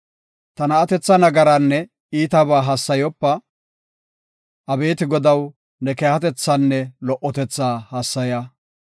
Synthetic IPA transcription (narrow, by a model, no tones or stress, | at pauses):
t̪ɐnɐːt̪ɛt͡sːɐnɐɡɐɾanːɛ | iːt̪ɐβaːɦɐsːɐjɔpːɐ | ʔɐbe̞ːt̪ɪɡɔd̪ɐw | nɛkeːhɐt̪ɛt͡sːanːɛlɔʔːɔt̪ɛt͡sːaːhɐsːɐja